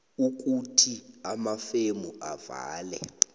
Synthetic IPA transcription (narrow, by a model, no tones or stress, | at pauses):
uk̬ʼutʰiamafemuava̰ːlɛ̰